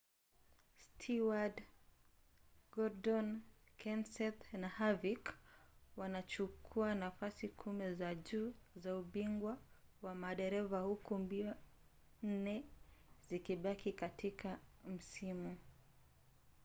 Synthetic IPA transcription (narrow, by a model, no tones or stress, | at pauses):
stʰiwad | ɡɔɾdɔn | kʰɛnsɛθnahavikwanat͡ʃukʰuanafasikʰumɛzaʄuːzauɓiŋɡwawamaɗɛɾɛvahukumbiɔ | n̩nɛzikiɓakikatʰikʰam̩simu